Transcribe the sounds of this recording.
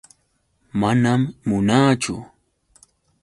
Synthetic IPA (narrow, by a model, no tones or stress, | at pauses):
manamːʊnaːt͡ʃʊ̰